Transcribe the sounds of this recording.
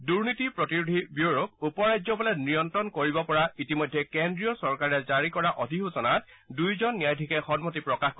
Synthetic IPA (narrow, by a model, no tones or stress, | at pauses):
duɹnitipɹɔtiɹudʱibjuɹok̚upɔɹajzɔbɔlɛnijɔntɹɔnkoɹibɔpɔɹaitimɔjdʱːɛkendɹiɔsɔɹkaɹɛzaɹikɔɹaʔɔdʱixusɔnat | dujzɔnːijajdʱikɛxɔnmɔtipɹɔkaxk